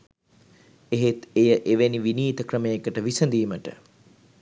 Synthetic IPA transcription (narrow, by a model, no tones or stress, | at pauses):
eɦet̪ejəʔeʋeniʋiniːt̪əkrəmejekəʈəʋisənd̪iːməʈə̰